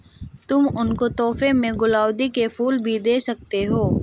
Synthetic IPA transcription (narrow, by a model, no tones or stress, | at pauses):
t̪ʊmʊnkot̪ɔːfemẽɡʊlaːwd̪ikefuːlbʱid̪eːsɐk̚t̪eɦoː